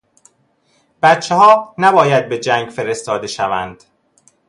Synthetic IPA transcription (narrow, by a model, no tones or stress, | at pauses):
b̥æt̪t͡ʃʰːehɒːnæbɒːjæd̪̚be̞d͡ʒæŋɡfe̞ɾe̞st̪ɒːd̪e̞ʃævænd̪̥